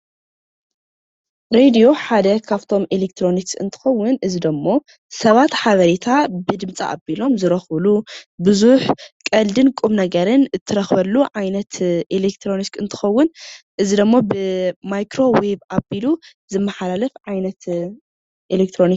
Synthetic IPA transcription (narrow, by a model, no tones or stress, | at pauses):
ɾed̪io̞ħad̪ɐkʰaβt̪ʰo̞mʔelek̚t̪ʰɾo̞niksɨ̰nt̪ʰɨ̥xɐwːʊnʔɨzid̪ɐmːo̞ | sɐβat̪ħaβɐɾet̪ʰabɨd̪ɨmt͡sʼa̰ʔa̰bilo̞mzɨɾɐxβlubɨzuħkʼɐld̪ɨnkʼumnɐɡɐɾɨnɨt̪ʰːɨɾɐxβɐlːuʕajnɐt̪ʔelek̚t̪ʰɾo̞niskɨnt̪ʰɨ̥xɐwːʊn | ʔɨzid̪ɐmːobɨmajkɾo̞webabilu | zɨmːɐħalalɐfʕajnɐt̪ | ʔelek̚t̪ʰɾo̞nik